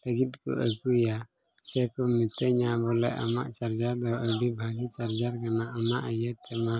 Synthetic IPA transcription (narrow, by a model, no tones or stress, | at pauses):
əɡit̪̚ˀkɔ̰ʔəkuja | sɛkɔmit̪əɲabɔlɛ̰ʔa̰ma̰ʔt͡ʃaɾd͡ʒad̪ɔʔəɖibʱaɡit͡ʃaɾd͡ʒaɾkanaʔɔnaʔəjəɛma